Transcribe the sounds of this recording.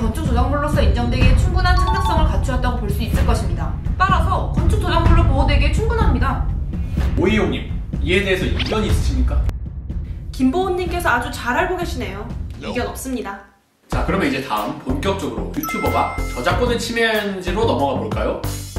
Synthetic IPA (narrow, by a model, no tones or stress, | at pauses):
kʌnt͡ɕʰuk̚t͈od͡ʑaŋbuɭːos͈ʰʌind͡ʑʌŋdwe̞ɡet͡ɕʰuŋɡunɦant͡ɕʰatʰak̚s͈ʌŋɯɭkat͡ɕʰuɦat͈ʌɡopoɭs͈uis͈ɯɭk͈ʌɕʰimɲidat͈aɾasʰʌkʌnt͡ɕʰuk̚tod͡ʑaŋbuɭːopoʌdwe̞ɡet͡ɕʰuŋɡunɦamɲida | oijoŋɲimie̞de̞ɦesʰʌiɡʌɲiːs͈ɯ̥ɕʰimɲik͈a | kimbooɲːimk͈e̞sʰʌad͡ʑut͡ɕaɾɦaɭɡoɡʌɕʰine̞joiɡjʌnʌp̚s͈ɯmɲida | t͡ɕakɯɾʌmjʌnid͡ʑe̞taɯmponk͈jʌk̚t͡ɕ͈ʌɡɯɾo̰jutʰjubɯɡat͡ɕʌd͡ʑak͈onɯnt͡ɕʰimend͡ʑiɾonʌmʌɡaboɭk͈ajo